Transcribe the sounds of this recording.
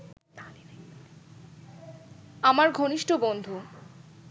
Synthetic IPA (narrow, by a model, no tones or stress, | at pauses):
amaɾɡʱoniʃʈobond̪ʱu